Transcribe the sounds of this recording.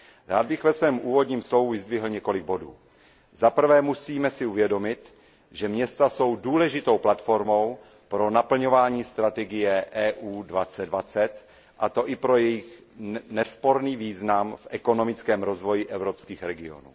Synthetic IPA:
ɾaːd̪̚bɪxvɛsvɛːmʔuːvo̞d̪ɲiːmslo̞vuvɪzd̪vɪɦl̩ɲɛko̞lɪɡ̚bo̞dṵː | zapr̩vɛːmusiːmɛsɪuvjɛdo̞mɪt̪ | ʒɛmɲɛst̪aso̞wduːlɛʒɪt̪o̞wplat̪fo̞ɾmo̞w | pɾo̞napl̩ɲo̞vaːɲiːst̪ɾat̪ɛɡɪjɛʔɛːʔuːdvat͡sɛddvat͡sɛt̪ | ʔat̪o̞ʔɪpɾo̞jɛjɪx | nɛspo̞ɾniːviːznamfʔɛko̞no̞mɪt͡skɛːmɾo̞zvo̞jɪʔɛvɾo̞pskiːxɾɛɡɪo̞̰nṵː

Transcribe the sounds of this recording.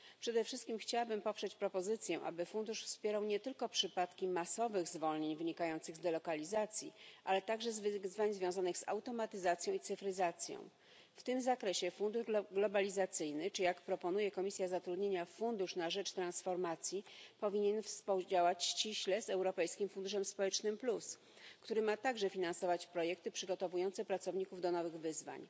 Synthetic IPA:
pʂɛd̪ɛfʂɘst̪̚kʲimxt͡ɕawabɘmpɔpʂɛt͡ɕpɾɔpɔzɘt̪sʲjɛ̃ʔa̰bɘfund̪uʂfspʲjɛɾawɲɛt̪ɘlkɔpʂɘpat̪kʲimasɔvɘɣzvɔlɲeɲvɘɲikajɔnt̪sɘɣzd̪ɛlɔkalʲizat̪sʲjḭʔalɛt̪aɡʐɛzvzvaɲzvʲjɔ̃w̃zanɘɣza̰wt̪ɔmat̪ɘzat̪sʲjɔ̃w̃it̪sɘfɾɘzat̪sʲjɔ̰̃w̃ | ft̪ɘmzakɾɛɕɛfund̪uʐɡlɔbalʲizat̪sɘjnɘt͡ʂɘjakpɾɔpɔnujɛkɔmʲisʲjazat̪ɾud̪ɲeɲafund̪uʂnaʐɛt͡ʂt̪ɾãnsfɔɾmat̪sʲjipɔvʲiɲɛnfspud͡ʑawat͡ɕɕt͡ɕiɕlɛzɛwɾɔpɛjskʲimfund̪uʂɛmspɔwɛt͡ʂnɘmplus | kt̪uɾɘmat̪aɡʐɛfʲinansɔvat͡ɕpɾɔjɛk̚t̪ɘpʂɘɡɔt̪ɔvujɔnt̪sɛpɾat̪sɔvɲikuvd̪ɔnɔvɘɣvɘzva̰ɲ

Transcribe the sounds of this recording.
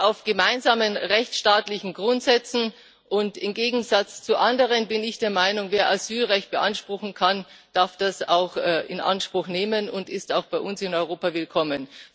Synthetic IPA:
ʔaʊfɡ̥əmaɪnzaːmənʁɛçt͡sʃtaːtlɪçn̩ɡʁʊntz̥ɛt͡sn̩ | ʔʊntɪmɡeːɡŋ̩zat͡st͡suʔandəʁənbɪnɪçd̥eːɐmaɪnʊŋveːɐʔazyːlʁɛçt̚b̥əʔanʃpʁ̥ʊxn̩kʰand̥aɐfd̥asa̰ʊxɛʔɪnʔa̰nʃpʁ̥ʊxneːmənʊntɪstaʊxb̥aɪʔʊnsɪnɔʏʁoːpavɪlkʰɔmən

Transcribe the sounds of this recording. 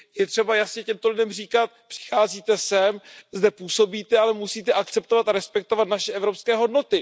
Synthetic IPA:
jɛt̪r̝̥ɛbajasɲɛcɛmt̪o̞lɪdɛmriːkat̪̚pr̥ɪ̥xaːziːt̪ɛsɛmzdɛpuːso̞biːt̪ɛalɛmusiːt̪ɛʔak̪̚t͡sɛp̚t̪ovat̪aɾɛspɛk̚t̪o̞vat̪naʃɛʔɛvɾo̞pskɛːɦo̞dno̞t̪ɪ

